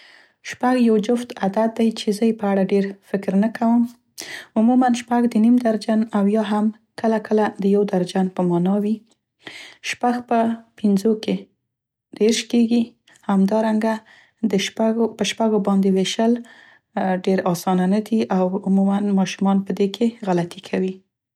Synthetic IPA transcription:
ʃpaɡjawd͡ʒʊft̪ad̪at̪̚d̪ajt͡ʃezəjepəaɽaɖeɾfɪkɾnəkawəm | ʊmumanʃpaɡd̪ənimd̪aɾd͡ʒanawjɑɦam | kəlakʰəlad̪əjawd̪aɾd͡ʒanpəmɑnɑwi | ʃpaɡpəpɪnzoke | d̪̥eɾʃkeɡi | hamd̪ɑɾaŋɡa | d̪əpəʃpaɡobɑnd̪eweʃəl | ɖeɾɑsɑnanad̪iʔawʊmumanmɑʃumɑnpəd̪ekʰeɣalat̪ikʰawi

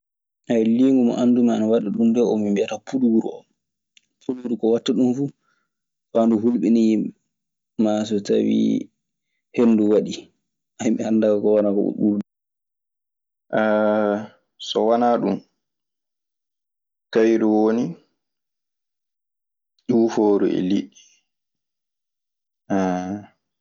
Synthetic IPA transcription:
ajliŋɡumɔ̰ʔandumanawaɗiɗundɛɔmimbiatapuluɾṵɔ̰m | pʰuluuɾukɔwatːaɗunfu | fanduɦulɓini | mas̬ɔta̰wḭ | henːduwaɗi | ʔajmihandakakɔwanakɔ̰ṵɓuɾdu | ʔɛ | sɔwanaɗum | kajɾuwoni | d͡ʒuːfoːɾṵɛ̰liɗːi | ɛ

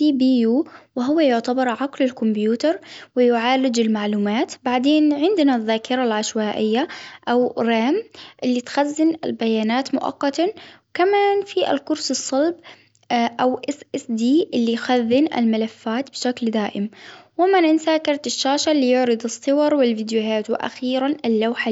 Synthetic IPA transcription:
sibijuːwɪɦʊwːajʊʕt̪abɪɾˤʕaqlɪlkʊmbjuːt̪ɑɾˤwɪjʊʕaːɾɪd͡ʒɪlmaʕluːmaːt̪baʕd̪eːnʕɪnd̪naðːaːkɪɾˤalʕaʃwaːʔɪjːaʔawɾaːmʔɪlːit̪xazːɪnɪ̰lbajaːnaːt̪mʊ̰ʔɑ̰qːɑt̪awkamaːnfiʔa̰lkʊɾsɨsˤːɑlb | ʔawʔɪsʔɪsd̪iːʔɪlːijxaðːɪnʔɪ̰lmaɪlafːaːt̪bʃakld̪aːʔɪmwɪmanʔɪnsaːkɑɾˤt̪ɪʃːaːʃalːijʊʕɾɨd̪ɨsˤːɨwɑɾˤwɪlvɪd̪jʊɦaːt̪wɪʔa̰xiːɾanɪlːawħa

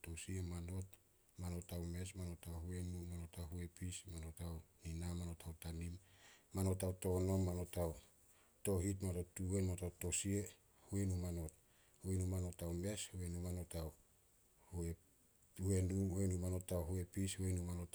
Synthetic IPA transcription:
tosiemano̞t | mano̞tawme̞smano̞tawhue̞numano̞tawɦuepismano̞tawninamano̞tʰawtanimːano̞tawto̞no̞mːano̞taw | to̞ɦitmano̞tːuwenmanotawto̞sie̞ | huenumano̞t̚ | huenumano̞tawme̞shuenumano̞taw | hue | hue̞nuuenumano̞tawɦue̞pishuenumanot

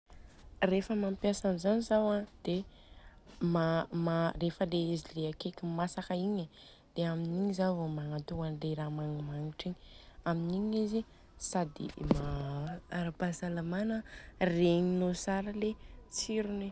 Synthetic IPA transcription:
refəmampjasanizanizawad̪̥e | mamarefəleizileakekimasakəiɲa | d̪̥eaminiɲizavomanat̪uanleɾamaŋimaŋiʈ͡ʂiɲi̥aminiɲizi | sad̪ḭmaaɾabazalamanəreɲinosaɾəlet͡siɾuni

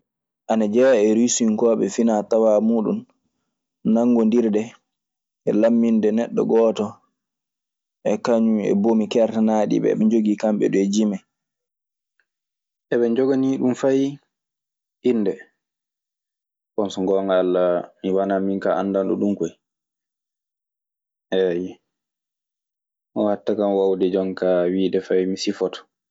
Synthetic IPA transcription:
ʔanad͡ʒɛjaɛɾisiŋkɔːɓɛfinatawamuːɗṵnː | aŋɡɔndiɾdɛ | ʔɛlamːindɛnɛɗːɔ̰ɡɔːtɔ | ʔɛkaɲumɛ̰bomikɛɾtanaːɗḭɓɛ̰ːɓɛɲd͡ʒoɡikamɓɛ̰ɗɔɛd͡ʒimɛ | ɛɓɛɲd͡ʒɔɡaniɗumfaj | ʔinːdɛ | kɔnsɔŋɡɔŋɡalːamiwanamiŋkaʔanːdanɗuɗumkɔj | ʔɛjɛ | ʔɔhatːakamwawdɛd͡ʒɔŋkawiːdɛfajmisifɔtɔ̥

